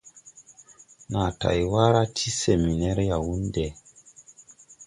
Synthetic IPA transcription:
na˨ta̰˨jwa˦ɾa˦tʰi˦se˨mi˨nɛ˦ɾja˨wu˦nde˨

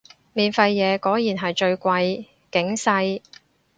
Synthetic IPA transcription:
miː˨nfɐ˧jːɛː˨˧kɔː˨˥jjiː˨˩nɦɐ˨jt͡ʃɵ˧ɥkʷɐ˧j | kɪ˨˥ŋsɐ˧j

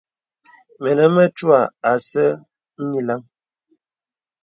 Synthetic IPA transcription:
mɛ˨nə˨mə˦t͡ʃwa˨a˨sə˦ | n̩˦ɲi˦la˦ŋ

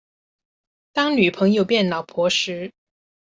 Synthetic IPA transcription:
t̪ɑ˥ŋny˨˩pʰɤ˧˥ŋjo˥˧ʊpjɛ˥˩nlɑ˨˩ʊpʰwɔ˧˥ʂɻ̩˧˥

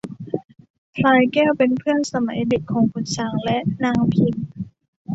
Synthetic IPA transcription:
p̪ʰlaː˧jkɛː˥˩wpe˧npʰɯ˥˩ənsa˧ma̰˨˩˦jde˨˩kʰːɔː˩˦ŋkʰu˧nt͡ɕʰaː˧ŋlɛ˦˥ʔnaː˧ŋpʰi˧n

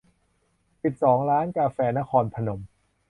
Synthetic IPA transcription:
si˨˩p̪̚sɔː˩˦ŋɾaː˦˥nkaː˧fɛː˧na˦˥kʰɔː˧npʰa˧no˨˩˦m

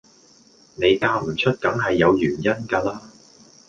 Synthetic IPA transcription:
ne˨˧jkaː˧m̩˨˩t͡ʃʰɵ˥t̚kɐ˨˥ŋɦɐ˨jːɐ˨˧wjyː˨˩njɐ˥nkaː˧laː˥

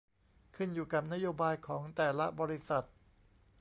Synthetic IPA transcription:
kʰɯ˥˩njuː˨˩ka˨˩p̚na˦˥joː˧baː˧jkʰɔː˩˦ŋt̪ɛː˨˩la˦˥bɔː˧ɾi˦˥sa˨˩t̪̚

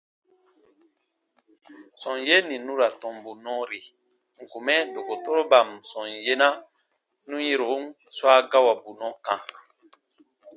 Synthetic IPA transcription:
sɔ̃˨nje˦nĩ˨nũ˦ɾa˨tɔ̃˨mbu˨nɔ̃˦ɾi˨ | ŋ̩˨ku˨mɛ˦do˨ko˨to˦ɾo˦ba˨msɔ̃˨nje˦na˦ | nũ˦je˦ɾo˨˦n | swa˦ɡa˦wa˨bu˨nɔ̃˦kã˨

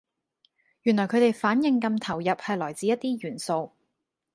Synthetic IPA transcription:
jy˨˩nlɔː˨˩jkʰɵ˨˧t̪e˨˧jfaː˨˥njɪ˨˧ŋkɐ˧mt̪ʰɐ˨˩wjɐ˨p̚hɐ˨jlɔː˨˩jt͡siː˧jɐ˥t̪̚t̪iː˥jyː˨˩nso˧w

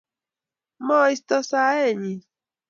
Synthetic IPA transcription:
mɔ̃˦i˦stɔ˦sa˦ɛ˦˨ɲi˨

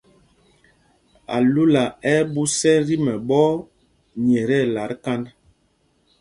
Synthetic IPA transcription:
a̰˨lu˦la˨ɛ˦bu˦sɛ˦ɾi˦mɛ˨ɓɔ˦ | ɲɛ˨ɾɛ˦˨la˨˦ɾka˦nd

